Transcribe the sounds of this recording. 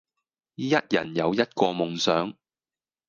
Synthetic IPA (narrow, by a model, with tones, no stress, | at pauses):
jɐ˥t̚jɐ̰˨˩njɐ˨˧wjɐ˥t̚kɔː˧mʊ˨ŋsœː˨˥ŋ